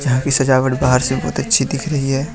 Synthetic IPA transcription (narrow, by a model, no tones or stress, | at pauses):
d͡ʒɐɦãkisɐd͡ʒaːʋəʈbaːɦəɾsebɐɦʊt̪ɐtːʃʰid̪ɪkʰɾɐɦiɦɛː